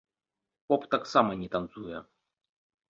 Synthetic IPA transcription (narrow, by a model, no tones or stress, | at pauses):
pɔpt̪aksamɐnʲɛt̪ɐnt̪sujɛ